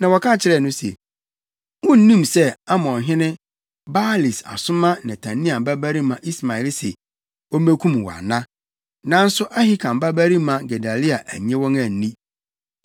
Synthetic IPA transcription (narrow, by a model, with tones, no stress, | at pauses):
nã˨wɔ˨kʰã˦˨t͡ɕʰɪ˦ɾɛ˦˨nʊ̃˦sɛ̰˨ | wʊ̃˦n̩˦nĩ˦˨msɛ˦a˦mɔ̃˨nɦɪ̃˦nɪ̃˦ | baː˦li˨sa̰˨sʊ̃˦mã˦nɪ̃˨tʰã˨nĩ˦a˨m˨ba˦bæ˦ɾi˦mã˨ʔi˦sma˨ɛ˨˦lsɛ̰˨ | ɔ˦me˦kʰʷũ˦m˨wɔ̰˨a̰˨nã˦ | nã˦n̩˦sʊ˦ʔa˦hi˦kʰã˨m˦ba˦bæ˦ɾi˦mã˨ɡɛ˨da˨li˦a˨ʔæ˨ɲɛ̃˦wɔ̃˦ŋã˨n̩˨nĩ˦